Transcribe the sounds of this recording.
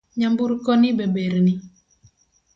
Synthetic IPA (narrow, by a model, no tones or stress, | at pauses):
ɲambuɾkɔnɪbebeɾnɪ